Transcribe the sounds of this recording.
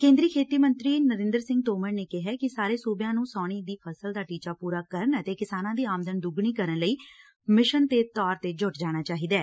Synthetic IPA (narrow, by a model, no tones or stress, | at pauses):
kẽːnd̪ɾiːkʰeːt̪iːmənt̪ɾiːnəɾɪ̃nd̪əɾsɪ̃ŋɡ̚t̪oːməɾneːkɪɦɛːkɪsaːɾeːsoːbjãːnũːsɔːɽ̃iːd̪iːpʰəsəld̪aːʈiːt͡ʃaːpuːɾaːkəɾənət̪eːkɪsaːnãːd̪iːaːmd̪ənd̪ʊɡɳiːkəɾənləiː | mɪʃənt̪eːt̪ɔːɾt̪eːd͡ʒʊʈd͡ʒaːɽ̃aːt͡ʃaːɦiːd̪aɛː